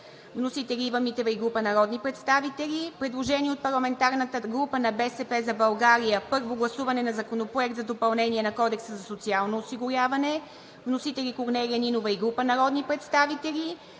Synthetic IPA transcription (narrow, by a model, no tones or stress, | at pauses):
vnosit̪ɛlʲiːvɐmit̪ɛvəiɡɾupənɐɾɔd̪nipɾɛt̪st̪avit̪ɛlʲipɾɛd̪lˠoʒɛniɛot̪̚pɐɾlˠɐmɛnt̪aɾnət̪əɡɾupənɐbɛsɛpɛzɐbɐlˠɡaɾijəpɤɾvoɡlˠɐsuvɐnɛnɐzɐkonopɾoɛkt̪zɐd̪opɐlˠnɛniɛnɐkɔd̪ɛksəzɐsot̪sialˠnoːsiɡʊɾʲavɐnɛ | vnosit̪ɛlʲikoɾnɛlʲiəninovɐiɡɾupənɐɾɔd̪nipɾɛt̪st̪avit̪ɛlʲi